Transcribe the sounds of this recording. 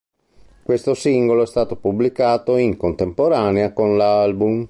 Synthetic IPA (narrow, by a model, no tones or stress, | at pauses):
kwest̪osiŋɡoloɛst̪aːt̪opublikaːt̪oiŋkont̪empoɾaːneakonlalbum